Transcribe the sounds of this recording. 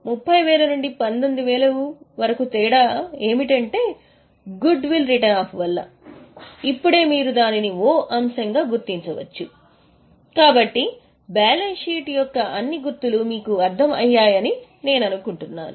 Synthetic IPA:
mupːɐjʋɛːlɐnuɳɖipɐnd̪ond̪uʋɛːlɐʋɐɾɐkut̪ɛːɽɐeːmiʈɐɳʈe̞ː | ɡuɖʋilɾiʈɐnaːpʋɐlːɐ̰ | ipːuɽe̞ːmiːɾud̪aːninioːʔɐmsɐŋɡaːɡuɾt̪iɲt͡ʃɐʋɐ̰t͡ʃːu | kaːbɐʈːi | bɛːlɐnʂiːʈjɔkːɐʔɐnːiɡuɾt̪ːulumiːkuɐɾd̪ʱʰɐmɐ̰jːaːjɐni | ne̞ːnɐnukuɳʈunːa̰ːnu

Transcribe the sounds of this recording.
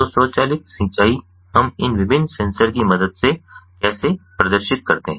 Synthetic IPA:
oːsɔːt͡ʃaːlɪk̪sĩːt͡ʃaːi | ɦɐmɪnʋɪbɪnːsɛ̃ːnsəɾkimɐd̪əd̪sekɛːsepɾɐd̪əɾʃɪt̪̚kɐɾt̪eɦɛ̃ː

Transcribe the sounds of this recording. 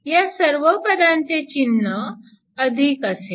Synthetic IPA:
jasəɾʋəpɾəd̪ãnt͡set͡ɕinːə | əd̪ʱikəse

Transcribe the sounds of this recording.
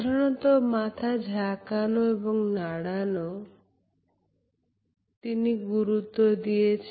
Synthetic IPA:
ɾɔɽ̃ɔt̪ɔmat̪ʰad͡ʒʱakanoebɔŋnaɽanɔ | t̪iniɡuɾut̪ɔd̪iet͡ʃʰ

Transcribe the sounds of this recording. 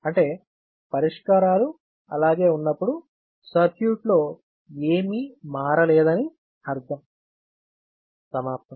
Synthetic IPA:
ɐɳʈe̞ː | pɐɾiʂkaːɾaːlu | ɐ̰laːɡe̞ːunːɐpːuɽu | sɐɾkjuːʈlo̞ː | eːmimaːɾɐleːd̪ɐni | hɐɾd̪ɐm | sɐmaːp̚t̪ɐm

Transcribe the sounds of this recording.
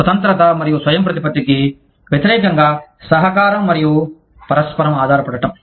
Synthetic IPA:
ɐt̪ɐnt̪ɾɐt̪ɐmɐɾijuswɐjɐmpɾɐt̪ipɐt̪iki | ʋjɐt̪iɾɛːkɐŋɡaːsɐɦɐkaːɾɐmːɐɾiju | pɐɾɐspɐɾɐmaːd̪ʱaːɾɐpɐɽɐʈɐm

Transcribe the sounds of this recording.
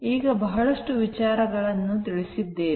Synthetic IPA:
iːɡɐbɐɦɐɭɐʂʈuʋit͡ʃaːɾɐɡɐɭɐnːut̪iɭisid̪ːeː

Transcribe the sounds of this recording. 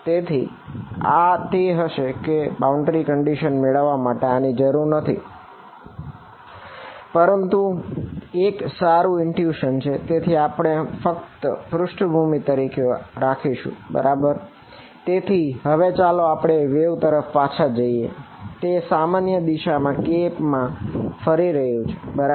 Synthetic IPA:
t̪et̪ʰḭ | a̰t̪eɦəʃekebauɳɖɾikəɳɖiʃənmeɭəʋːamaʈeanid͡ʒəɾuɾnət̪ʰḭ | pəɾənt̪u | eksaɾuɪnʈjuʃənt͡ʃʰet̪et̪ʰiapɽ̃efəkt̪əfɾʊʃʈʰbʱumit̪əɾikeoɾakʰiʃṵ̃bə̰ɾʔabəɾ | t̪et̪ʰiɦəʋet͡ʃaloapɽ̃eʋeʋt̪əɾəfpat͡ʃʰad͡ʒəiḛ | t̪esamanjəd̪iʃamãkepmãfəɾiɾəɦjũt͡ʃʰe̥bəɾa

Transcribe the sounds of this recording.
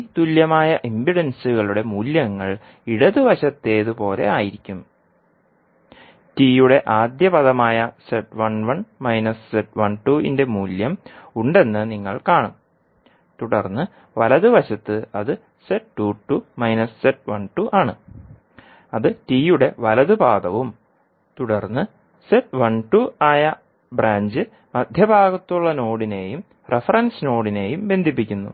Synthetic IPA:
it̪uljɐmaːjɐʔimbiɽɐnsɨɣɐɭuɽe̞muːljɐŋːɐɭ | iɽɐðɨʋɐɕɐt̪ːe̞ːðɨpo̞ːle̞̰aːjiɾikʲːum | tiːjuɽe̞ʔaːd̪jɐpɐðɐmaːjɐseʈʋɐɳʋɐɳmɐjnɐsseʈʋɐɳʈuḭnde̞muːljɐmuɳɖe̞nːɨniŋːɐɭkaːɳum | t̪uɽɐrnːɨ | ʋɐlɐðɨʋɐɕɐt̪ːɨɐðɨ | seʈːuːʈːumɐjnɐsseʈ̚ʋɐɳʈuʔaːɳɨ | ɐðɨtiːjuɽe̞ʋɐlɐðɨbaːd̪ɐʋum | t̪uɽɐrnːɨ | seʈʋɐɳʈːuaːjɐ | braːɲd͡ʑɨ | mɐd̪ʱjɐbʱaːɡɐt̪ːuɭːɐno̞ːɽine̞ːjum | refɐrɐnsno̞ːɽine̞ːjumbe̞nd̪ʱip̬ːikʲːunːṵ

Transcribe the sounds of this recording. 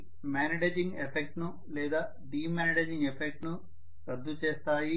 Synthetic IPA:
maːniʈeːd͡ʒiŋɡepʰek̚ʈnu | leːd̪aː | ɖiːmaːniɖed͡ʒiŋɡepʰek̚ʈnu | ɾɐd̪ʱːut͡ʃeːst̪aːji

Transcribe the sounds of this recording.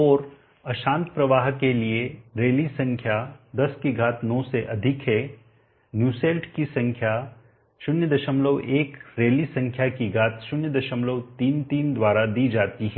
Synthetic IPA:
ɔːɾ | ɐʃãːnt̪pɾɐʋaːɦkelieɾeːlisɐ̃ŋkʰjad̪ɐskiɡʱaːt̪nɔːseʔɐd̪ʱɪkɦɛ | njuːseːlʈkisɐ̃ŋkʰja | ʃʊnjəd̪ɐʃəmləʋeːkɾeːlisɐ̃ŋkʰjakiɡʱaːt̪ʃʊnjəd̪ɐʃəmləʋt̪iːnt̪iːnd̪waːɾad̪iːd͡ʒaːt̪iɦɛː

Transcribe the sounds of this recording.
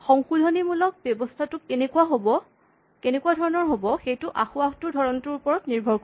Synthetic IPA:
xɔŋxudʱɔnimulɔk̚bjɔbɔstʰatʊkenekuwaɦobɔ | kenekuadʱɔɹɔnɔɹɦobɔxejtʊʔaxuaxtʊɹdʱɔɹɔntʊɹupɔɹɔtniɹbʱɔɹkɔ

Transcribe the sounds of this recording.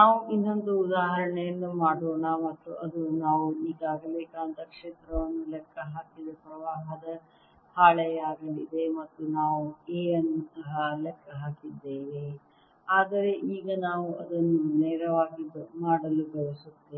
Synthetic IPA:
naːʋuʔinːo̞nd̪uːd̪aːɦɐɾɐɳɛjɐnːumaːɽoːɳɐmɐt̪ːuɐd̪unaːʋuiːɡaːɡɐbeːkaːɐnt̪ʰɐkʂeːt̪ɾɐʋɐnːulɛkʰːɐɦaːkid̪ɐpɾɐʋaːɦɐd̪ɐ | haːɭɐjaːɡɐlid̪e̞mɐt̪ːunaːʋueːɐnɐnsɐɦɐlɛkʰːɐɦaːkid̪ːeːʋi | aːd̪ɐɾe̞ʔiːɡɐnaːʋuʔɐd̪ɐnːuneːɾɐʋaːɡimaːɽɐluɡɐɭɐsut̪ːe

